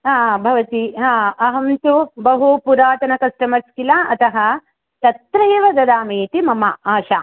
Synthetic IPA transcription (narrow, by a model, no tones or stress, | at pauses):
ɦãːbʱɐʋɐt̪iɦãːɐɦɐmt̪ubɐɦupuɾaːt̪ɐnɐkɐsʈɐmɐɾskilaːʔɐt̪ɐɦɐ̆ | t̪ɐt̪ɾɐjɐʋɐɡ̪ɐd̪aːmeːt̪imɐmaaːʃaː